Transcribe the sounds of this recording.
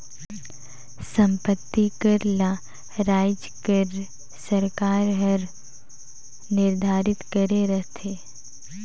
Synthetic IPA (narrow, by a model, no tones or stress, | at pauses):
sə̃mpət̪ːikəɾla | ɾaːjd͡ʒkəɾ | səɾkaːɾɦəɾ | nɪɾd̪ʱaːɾɪt̪kəɾeɾəɦt̪ʰeː